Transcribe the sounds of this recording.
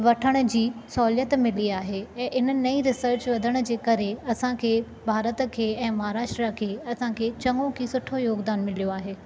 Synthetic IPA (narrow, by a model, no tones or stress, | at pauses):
ʋɐʈʰəɽ̃ʊ̆d͡ʑiːsɔːljət̪mɪliaːɦeɛ̃ːʔɪnənɐiɾɪsəɾt͡ɕʋɐd̪ʱəɽ̃ʊ̆d͡ʑeːkɐɾeɐsãkʰeː | bʱaːɾət̪̆kʰeːɛ̃ːmɐɦaːɾaːʃʈɾakʰeːɐsãkʰeːt͡ɕɐ̃ŋɡõkʰisʊʈʰojoːɡd̪aːnmɪlijoaːɦeː